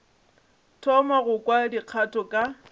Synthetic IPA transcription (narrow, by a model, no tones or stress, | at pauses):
tʰɔmaɣʊkʼwadiq͡χʰatʰʼɔkʼa